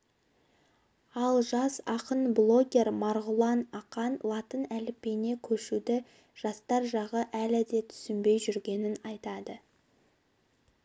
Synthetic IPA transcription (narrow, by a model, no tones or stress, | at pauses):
ɑlˠʒɑsɑqənblˠo̞ɡʲe̞rmɑɾʁʊlˠɑnɑqɑnlˠɑt̪ənælɪpːe̞ne̞kʲʰɵʃud̪ɪ | ʒ̥ɑst̪ɑɾʒɑʁəʔælɪd̪e̞t̪ʰʏ̥sɪmbe̞jʒʏɾɡʲe̞nɪnɑjt̪ɑd̪ə